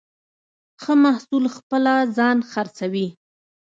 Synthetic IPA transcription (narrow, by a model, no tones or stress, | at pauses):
xəmahsulxpəlazɑnxaɾt͡sawi